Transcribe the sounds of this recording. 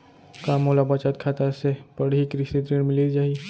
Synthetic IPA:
kaːmɦolabat͡ʃat̪̚kʰat̪asepəɽɦikɾɪʃit̪ɾiɽ̃mɪlid͡ʒaːɦi

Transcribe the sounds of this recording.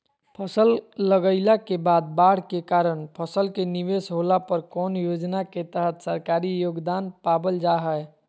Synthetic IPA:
pʰəsəlːəɡəɪlakebaːd̪̚baːɽ̤kekaːɾəɳ̃pʰəsəlkeniʋeːsɦoːlapəɾkɔːnjoːd͡ʒnaket̪əɦət̪səɾkaːɾijoːɡd̪aːnpaːbəld͡ʒaɦə

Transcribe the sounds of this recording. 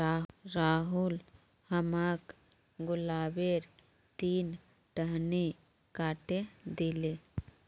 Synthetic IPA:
aɾaːɦʊl | həmaːk | ɡʊlaːbeɾ | t̪iːn | ʈəɦni | kaːʈed̪ile

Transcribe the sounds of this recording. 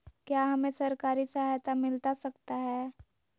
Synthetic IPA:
kjaːɦɐmẽsɐɾkaːɾisəɦajt̪amɪlt̪asɐkt̪aɦɛː

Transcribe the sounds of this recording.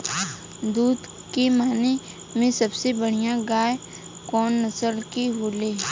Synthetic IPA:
d̪uːd̪ | kemaːne | mẽsɐbsebəɽ̤ijãɡaːe | kɔːnːəsəlkiɦoːleː

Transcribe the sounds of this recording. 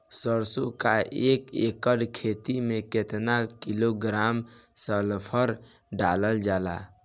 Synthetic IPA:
səɾsokaekekəɽkʰet̪imẽket̪nakiloɡɾamsəlpʰəɾ | ɖaləld͡ʒala̰

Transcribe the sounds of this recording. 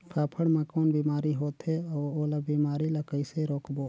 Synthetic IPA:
kʰaːpʰəɽmãkoːnbiːmaːɾiɦoːt̪ɦeɔːoːlabiːmaːɾilakəɪseɾoːkboː

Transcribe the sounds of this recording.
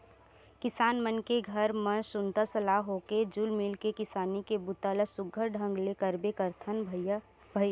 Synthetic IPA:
kɪsaːnmənkeɡʱəɾmə̃nsʊnt̪asəlaɦoked͡ʒulmɪlkekɪsaːnikebʊt̪aːləsʊɡʱəɾɖʱə̃ŋɡlekəɾbekəɾt̪ʰənʱ | b̥ʱəj

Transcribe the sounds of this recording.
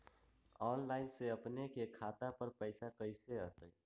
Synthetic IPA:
ɔːnlaːɪnseəpnekekʰaːt̪apəɾpəɪsakəɪseət̪ə

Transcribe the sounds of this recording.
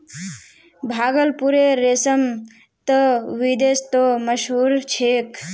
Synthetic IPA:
bʱaːɡəlpuɾeɾesəm | t̪əʋid̪est̪oməʃɦuːɾt͡ʃʰeːk

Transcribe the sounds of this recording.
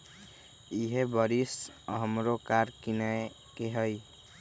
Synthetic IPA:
iɦebʌɾisɦəmɾokaɾkinae | keɦəj

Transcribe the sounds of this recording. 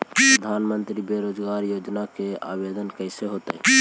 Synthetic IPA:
pɾəd̪ʱanmənt̪ɾibeɾod͡ʒɡaɾjod͡ʒnakea̰bed̪ənkəɪseɦot̪əj

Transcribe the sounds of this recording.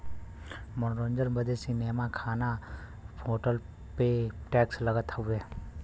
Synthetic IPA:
mənɾõːnd͡ʒəɾbəd̪esineːmakʰaːna | pʰoːʈəl | peʈɛːksləɡət̪ueː

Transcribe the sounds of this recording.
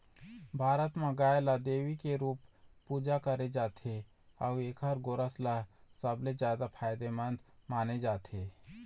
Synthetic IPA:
bʱaːɾət̪mãɡaːjlad̪eːʋikeɾuːpː | uːd͡ʒakəɾed͡ʒaːt̪ʰe | aeːkɦəɾɡoɾəslasəbled͡ʒjaːd̪apʰaːjd̪emə̃nd̪maːned͡ʒaːt̪ʰeː

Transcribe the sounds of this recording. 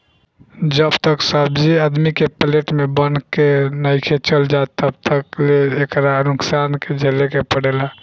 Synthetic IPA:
d͡ʒəbt̪əksəbd͡ʒiəd̪mikepəleʈmebənkenəɪkʰet͡ʃəld͡ʒaet̪ːəbt̪əkleːkɾanuksanked͡ʒʱelekepəɽela

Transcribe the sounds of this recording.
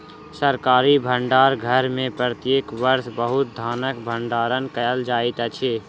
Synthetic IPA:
səɾkaːɾibʱə̃ɳɖaːɾɡʱəɾmẽpɾət̪jeːkʋəɾsbəɦʊt̪̚d̪ʱaːnəkbʱə̃ɳɖaːɾənkəjəld͡ʒaːit̪ət͡ʃʰeː

